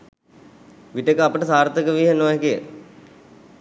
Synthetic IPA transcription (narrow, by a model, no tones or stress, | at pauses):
ʋiʈəkəapəʈəsaːɾt̪əkəʋiːɦenːoːjekijə̰